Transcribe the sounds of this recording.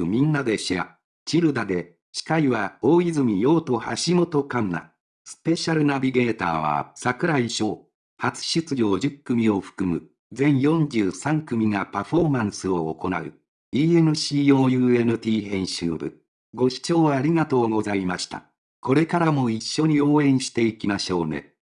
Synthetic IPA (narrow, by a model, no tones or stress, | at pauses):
ɯmʲĩnːad̪e̞ɕia̰ | t͡ɕiɾɯ̟d̪ad̪e̞ | ɕi̥kaiβaoːizɨmʲijo̞ːt̪o̞ha̰ɕimo̞t̪o̞kanna̰ | sɨ̥pe̞ɕaɾɯ̟nabʲiɡe̞ːt̪a̰ːβa̰sakɯ̟ɾaiɕo̞ː | hat͡sɨ̥ɕɨt͡sɨo̞ːʑɨkːɯ̟mʲio̞ɸɯ̟̥kɯ̟mɯ̟̰ | d͡zẽ̞ɰ̃jõ̞ɲd͡ʑɨːsãŋkɯ̟mʲiŋapaɸo̞mãɰ̃sɨo̞ːko̞na̰ɯ̟̰ | iːe̞mɯ̟ɕiːoːjɯ̟ːe̞nɯ̟t̪ʲiːhẽ̞ɰ̃ɕɨ̰ːbɯ̟̰ | ɡo̞ɕi̥t͡ɕo̞ːaɾʲiɡat̪o̞ːɡo̞zaimaɕi̥t̪a̰ | ko̞ɾe̞kaɾamo̞iɕːo̞ɲ̟io̞ːẽ̞ɰ̃ɕi̥t̪e̞ikʲimaɕo̞ːnḛ